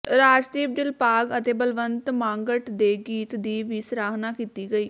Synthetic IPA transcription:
ɾaːd͡ʒd̪iːb̚d̪ɪlpaːɡət̪eːbəlʋənt̪mãːŋɡəʈd̪eːɡiːt̪d̪iːʋiːsɾaːɦnaːkiːt̪iːɡəiː

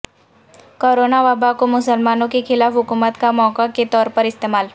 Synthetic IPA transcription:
koːɾoːnaʋaːbakomʊsəlmaːnõkexɪlaːfɦʊkuːmət̪kamɔːkaket̪ɔːɾpɐɾɪst̪eːmaːl

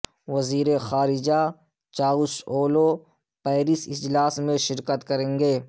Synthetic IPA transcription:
ʋɐziːɾexaːɾɪd͡ʒa | t͡ʃaːʊsoːlo | pɛːɾɪsɪd͡ʒlaːsmẽʃɪɾkət̪kɐɾẽːŋɡeː

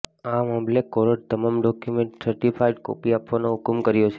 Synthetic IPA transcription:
amamlekɔɾəɖ̚t̪əmamɖɔkjumẽɳʈsəɾʈifʰajɖko̰piapʋanoɦʊkmkəɾjot͡ʃʰe

